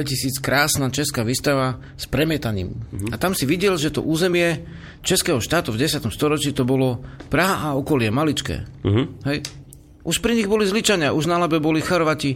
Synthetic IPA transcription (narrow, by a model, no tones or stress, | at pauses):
ɛcisiːt͡skɾaːsnaːt͡ʃɛskaːʋiːst̪aʋa | spɾɛmɪɛt̪aɲḭːmat̪amsiʋiɟɛlʒɛt̪ɔ̰ʔuːzɛmɪɛ | t͡ʃɛskɛːɦɔʃt̪aːt̪uvɟɛsɪat̪ɔmst̪ɔɾɔt͡ʃiːt̪ɔbɔlɔpɾaɦaʔaɔkɔlɪɛmalit͡ʃkɛ̰ːɦɛj | ʔuʃpɾiɲiɣbɔlizlit͡ʃaɲɪaʔuʒnalabɛbɔlixɔɾʋaci